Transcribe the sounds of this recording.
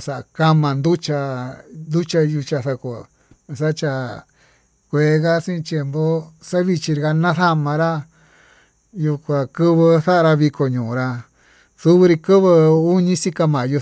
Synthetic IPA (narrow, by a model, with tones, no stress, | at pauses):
sa˨ʔka˦mã˧nd̪u˦t͡ʃa˧nd̪u˦t͡ʃa˧ju˧t͡ʃa˧θa˧ko˨˧˨ | sa˦t͡ʃa˧˨ | kʷeː˨˦ɣa˦sĩ˦˧t̪je˧mbo˦sa˦βi˧t͡ʃi˧ɾɣa˧nã˦θa˦mã˧ɾa˦ | ju˧kʷa˧kɨ˦βɨ˧θa˦ʔa˧ɾa˧βi˧ko˨ɲũː˨ɾa˧ | su˦βɨ˧ɾi˧kɨ˦βɨ˧u˦ɲĩ˦si˦ka˧mã˨ju˧